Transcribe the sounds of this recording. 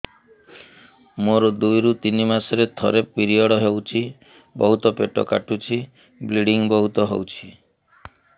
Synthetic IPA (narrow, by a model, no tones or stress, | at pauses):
moɾɔd̪ujɾut̪inimasɔɾet̪ʰɔ̰ɾepiɾiɔɽɔɦewt͡ʃʰi | bɔɦut̪ɔpeʈɔ̰kaʈut͡ʃʰi | bliɽiŋbɔɦut̪ɔɦewt͡ʃʰi̥